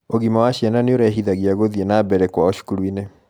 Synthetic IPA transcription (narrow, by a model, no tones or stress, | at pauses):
oɣimawaɕjananeoɾɛɦiðaɣiaɣoðienabɛɾɛkwaoʃu̥kuɾwine